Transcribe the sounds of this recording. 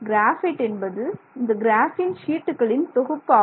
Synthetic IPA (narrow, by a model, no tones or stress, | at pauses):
ɡɾaːfɪʈːɛnbɐðɯɪnd̪ɐɡɪɾaːfɪnʃiːʈːɯɣɐɭɪnt̪ɔɣɯpːaː